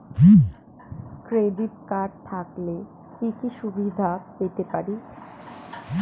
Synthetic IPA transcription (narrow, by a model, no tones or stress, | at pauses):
i | kɾeɖiʈ̚kaɾt̪ʰakle | kikiʃubid̪ʱapet̪epaɾi